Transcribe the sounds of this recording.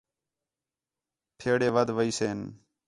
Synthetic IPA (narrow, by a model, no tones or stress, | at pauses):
ʈʰeːɽeːʋəd̪ʋəiːseːn